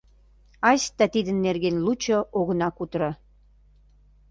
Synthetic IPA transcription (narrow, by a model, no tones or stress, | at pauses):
ɑsʲt̪æt̪id̪ənːerɣenlut͡ɕoʔoɣə̆nɑkut̪ɾɑ